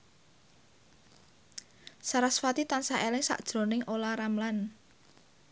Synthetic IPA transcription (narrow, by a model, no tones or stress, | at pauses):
saɾasfat̪it̪ansaʔelɪŋsa̰ʔd̥ʒ̥ɾo̤nɪŋʔolaɾamlan